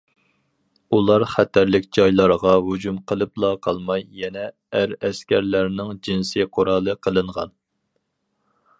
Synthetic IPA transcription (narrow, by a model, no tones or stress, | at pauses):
ulˠɑɾχɛt̪ʰæɾlɪkʲd͡ʒɑjlˠɑɾʁɑɦud͡ʒumqʰəlˠɨplˠɑqʰɑlˠmɑjːɛnɛ | æɾɛskʲʰæɾlæɾnɪŋd͡ʒinsɨqʰoɾɑːlˠɨqʰəlˠɨɴʁɑ̰n